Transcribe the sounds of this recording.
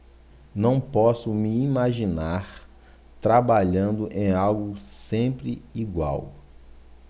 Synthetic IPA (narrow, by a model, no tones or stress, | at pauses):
nɐ̃w̃pɔsʊmiimaʒinaɾ | t̪ɾabaʎɐ̃nd̪ʊʔẽj̃awɡʊsẽpɾɪiɡwa̰w